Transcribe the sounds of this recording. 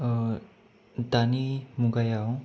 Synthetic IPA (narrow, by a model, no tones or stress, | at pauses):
t̪animuɡajaw